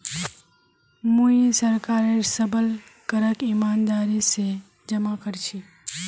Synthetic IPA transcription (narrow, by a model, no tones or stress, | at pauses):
mujisəɾkaːɾesəbəl | kəɾəkimaːnd̪aːɾise | d͡ʒəmakəɾt͡ʃʰi